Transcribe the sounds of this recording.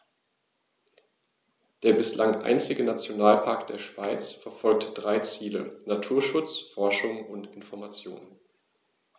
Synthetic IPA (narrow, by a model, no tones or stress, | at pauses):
d̥eːɐbɪslʔaŋʔa̰ɪnt͡sɪɡənat͡sjonaːlpʰaɐkd̥eːɐʃv̥aɪt͡sfɛɐfɔlk̚təd̥ʁaɪt͡siːlə̰natʰuːɐʃʊt͡sfɔɐʃʊŋʊntɪnfɔɐmat͡sjo̰ːnə